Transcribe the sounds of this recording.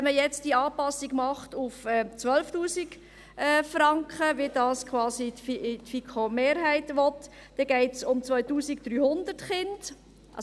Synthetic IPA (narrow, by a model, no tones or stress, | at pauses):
ɛməjɛt͡std̥iɑːpɑsiɡmɑχtufɛt͡sʋœlftuːsik | ɛːfrɑŋkχəʋid̥ɑːskχwɑːsitfitfikχomeːɾɦæɪtʋɔt | d̥ɛɡ̥ɛɪtsʊmt͡sʋœʏtuːsik̚d̥ɾyːhʊndətχɪnd̥ | ʔɑ